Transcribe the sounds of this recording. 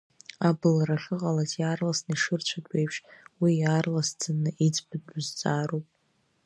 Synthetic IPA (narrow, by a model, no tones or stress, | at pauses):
abɨlaɾaχɨqʼalazjaːrlasnaiʂɨrt͡ɕʷʰadʷʼejpʰʂwijaːrlast͡sʰanɨʔit͡sʰʼbɨdʊzt͡sʼaːɾowpʼ